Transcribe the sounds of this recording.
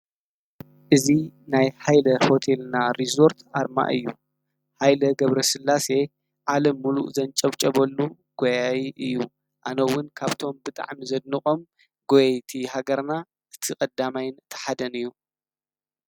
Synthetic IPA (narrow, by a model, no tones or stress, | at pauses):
ʔɨzinajħajlɐho̞t̪ʰelnaɾizo̞ɾt̪ʰaɾma̰ʔɨ̰jːu | ħajlɐɡɐβɾɐsɨlːase̞ | ʕalɐmːulṵʔzɐnt͡ʃʼɐβt͡ʃʼɐβɐlːu | ɡ̥ojajiʔɨjːu | ʔa̰nɐwːʊnkʰaβt̪ʰo̞mbɨt̪ʼa̰ʕmizɐd̪̚nɨχʼo̞m | ɡojɐjt̪ʰiɦaɡɐɾna | ʔɨt̪ʰikʼɐd̪amajɪnt̪ʰɐ̥ħad̪ɐnɨjːu